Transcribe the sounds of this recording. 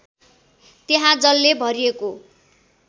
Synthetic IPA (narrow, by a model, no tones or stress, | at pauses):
t̪eɦãd͡zʌlːebʱʌɾieko